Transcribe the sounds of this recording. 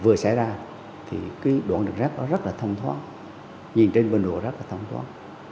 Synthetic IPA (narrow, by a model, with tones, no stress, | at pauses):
vɨ˨˩əsa̰˧˩˦jzaː˧ | t̪ʰḭ˨˩ki˨˦ɗwu˨˧˩nɗɨ̰˨˩ŋ̚zɛ˦˥k̚ɗɔ˨˦zə˦˥t̚laː˨˩t̪ʰə˧wŋ͡mt̪ʰwa̰ː˦˥t̚ | ɲi˨˩nt͡ɕe˧nɓe˧nɗo̰˨˩əzə˦˥t̚laː˨˩t̪ʰə˧wŋ͡mt̪ʰwa̰ː˦˥t̚